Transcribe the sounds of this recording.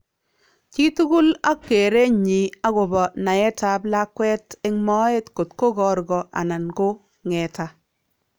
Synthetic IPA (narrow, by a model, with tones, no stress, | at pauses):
t͡ʃi˦tu˦ɡu˦la˦kːe˨ɾe˦ɲi˨a˦ɡo˨bɔ˨na˨jɛ˦ta˨bla˦kwɛ˦tɪ˦ŋmɔ˦e˦tko˨tko˦ɡɔ˨ɾɡɔ˨ʔa̰˨na˨nɡo˦ | ŋɛ˨ta˦